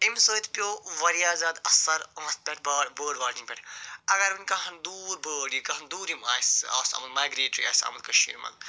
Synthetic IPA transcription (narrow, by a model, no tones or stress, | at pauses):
imsoːit̪pʲjoːʋɐɾijaːzaːd̪ɐsɐɾɐmɐst̪̚pʲɛʈ̚ʰbaːɽbəːɖʋaːɾĩŋpʲɛʈʰɐɡɐɾʋɐnʲkɐɦɐnd̪uːɾbəːɽjikɐɦɐnd̪uːɾimaːsa̰ːsa̰ːmɐlmaːjɡɾeːʈɾḭa̰ːsa̰ːmɐlkɐʃḭːmɐ̰l